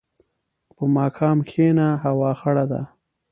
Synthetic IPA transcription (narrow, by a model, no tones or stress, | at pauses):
pəmɑːkʰɑːmxenaɦawɑːxaɽad̪a̰